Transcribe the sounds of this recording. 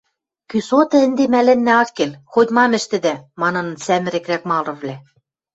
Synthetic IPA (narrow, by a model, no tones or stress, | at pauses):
kysot̪ɤ̆ɘ̆nd̪emælɘ̆nːæɑkːelxot̪ʲmɑmɘ̆ʃt̪ɘ̆d̪æmɑnɤ̆nɤ̆nsæmɘ̆ɾɘ̆krækmɑlˠɤ̆βlʲæ